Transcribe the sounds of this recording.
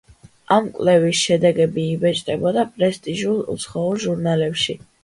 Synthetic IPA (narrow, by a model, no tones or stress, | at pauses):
amkʼwlɛvisʃɛd̪ɛɡɛbiːbɛt͡ʃʼt̪ʼɛbɔd̪apʼɾɛst̪ʼiʒulˠṵt̪sʰχɔuɾʒuɾnalɛpʃi